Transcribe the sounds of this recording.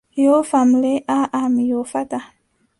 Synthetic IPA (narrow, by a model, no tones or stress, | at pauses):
jofamleʔaʔamijofata